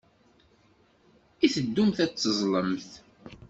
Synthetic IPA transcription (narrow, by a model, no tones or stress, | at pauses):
iθəd̪ːumθæt͡sːəzˤləmθ